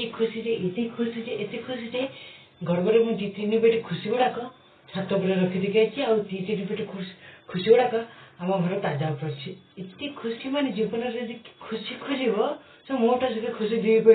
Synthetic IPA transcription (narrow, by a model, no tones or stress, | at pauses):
ikʰusiɾeʔet̪ikʰusiteʔet̪ikʰusiɾe | ɡʱɔɾbɔɾemũd͡ʒit̪inibeʈikʰusibɔɽakɔ | t͡ʃʰat̪ɔbɔɾeɾɔkʰid̪ikʰajt͡ʃʰiawt̪it̪inibeʈikʰkʰusibɔɽakɔamɔɡʱɔɾɔt̪ad͡ʒabpɔɾt͡ʃʰiet̪ikʰusimaned͡ʒibɔnɔɾed͡ʒikʰusikʰusibɔ | sɔ̃moʈasɔkekʰusid̪ibipɔ